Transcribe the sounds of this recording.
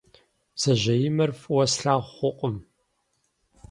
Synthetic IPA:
z̥ɐʑɐjɪmɐrfʼwɐsɬaːχʷʊqʷʼəm

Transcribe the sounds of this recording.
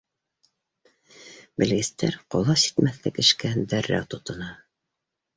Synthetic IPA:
bɘ̆lɡɘ̆st̪æɾqolˠɑsi̥t̪mæθlɘkɘ̆ʃkænd̪æɾːæ̰t̪ŏt̪ɤ̆nɑ

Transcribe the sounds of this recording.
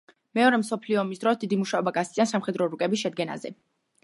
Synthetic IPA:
mɛɔɾɛmsɔpʰliɔːmisd̪ɾɔsd̪id̪imuʃaɔbaɡast̪sʼansamχɛd̪ɾɔɾukʼɛbisʃɛd̪̚ɡɛna̰zɛ̰

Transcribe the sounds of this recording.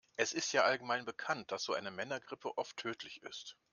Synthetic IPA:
ʔɛsʔɪstjaːʔalɡəmaɪnbəkʰant̚d̥asz̥oːʔa̰ɪnəmɛnɐɡʁɪpʰəʔɔftʰːøːtʰlɪçɪ̰st

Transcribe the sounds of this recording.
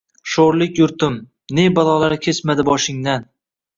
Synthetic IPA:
ʃoɾlɪkʲjʊɾt̪ɪm | ne̞balˠɒlaɾkʲʰe̞smad̪ɪbɒʃɪŋd̪an

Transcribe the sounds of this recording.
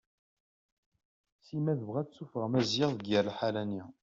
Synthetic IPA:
simæðəvʁæt͡sːufəʁmæzjɪʁðəɡəɾlħalæni

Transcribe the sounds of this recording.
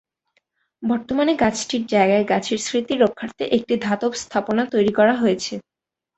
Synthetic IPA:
bɔɾt̪omaneɡat͡ɕʈiɾd͡ʑaeɡaeɡat͡ɕʰeɾsɾit̪iɾokʰːaɾt̪eʔek̚ʈid̪ʱat̪okst̪ʰaponat̪ojɾikɔɾaɦojet͡ɕʰe

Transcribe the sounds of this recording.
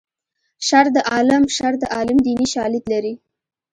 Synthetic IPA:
ʃaɾd̪əʔɑlɪmʃaɾd̪əʔɑlɪmd̪iniʃɑlɪt̪laɾi

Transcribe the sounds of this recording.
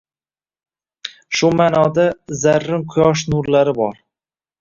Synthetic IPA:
ʃʊmaːnɒd̪azaɾːɪŋqʰʊjɒʃ̬nʊɾlaɾɪbɒɾ

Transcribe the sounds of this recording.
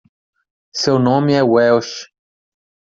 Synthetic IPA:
sewnõmɪɛwɛwʃ

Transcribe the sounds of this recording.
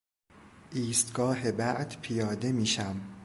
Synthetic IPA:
ʔiːst̪ɡɒːɦe̞bæʔd̪̥pʰijɒːd̪e̞miːʃæm

